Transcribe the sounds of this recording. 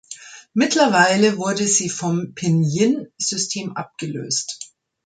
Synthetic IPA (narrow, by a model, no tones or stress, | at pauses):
mɪtʰlɐvaɪləvʊɐdəziːfɔmpʰɛnjɪnz̥ʏstʰeːmʔa̰p̚ɡ̥əlø̰ːst